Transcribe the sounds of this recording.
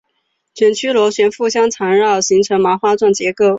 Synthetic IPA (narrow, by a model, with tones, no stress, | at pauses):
ɕɥɛ˨˩nt͡ɕʰy˥lwɔ˧˥ɕɥɛ˧˥nfu˥˩ɕjɑ˥ŋt͡sʰa˧˥ŋɻɑ˥˩ʊɕi˧˥ŋʈ͡ʂʰɤ˧˥ŋma˧˥xwa˥ʈ͡ʂwa˥˩nt͡ɕjɛ˧˥ko˥˩ʊ